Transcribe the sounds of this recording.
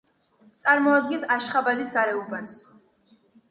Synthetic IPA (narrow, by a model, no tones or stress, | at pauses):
t̪sʼaɾmɔad̪̚ɡinsaʃχabad̪isɡaɾɛubans